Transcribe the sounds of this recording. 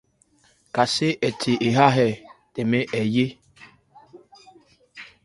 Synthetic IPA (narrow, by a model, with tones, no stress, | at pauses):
ka˨se˦ʔɛ˨tʰe˨ʔe˨ɦa˦ɦɛ˦˨te˨me˦ʔɛ˨je˦